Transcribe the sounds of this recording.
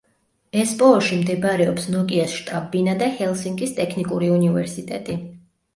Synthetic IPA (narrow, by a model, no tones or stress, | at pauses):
ɛspʼɔɔʃimd̪ɛbɾɛɔpsnɔkʼiasʃt̪ʼabːinad̪ahɛlˠsiŋkʼist̪ʼɛkʰnikʼuɾiunivɛɾsit̪ʼɛ̰t̪ʼi